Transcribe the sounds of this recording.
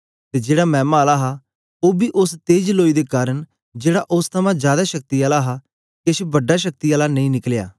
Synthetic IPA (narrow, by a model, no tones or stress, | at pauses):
t̪eːd͡ʒeːɽamɛ̃ːmaːlaɦa | oːbiːʔʊst̪eːd͡ʒloːid̪ekaːɾəɳ | d͡ʒeːɽaʔʊst̪ʰəmãːd͡ʒjaːd̪aːʃək̚t̪iaːlaɦaː | keʃbəɖːaʃək̚t̪iaːlanə̃ĩːnɪklja̰ː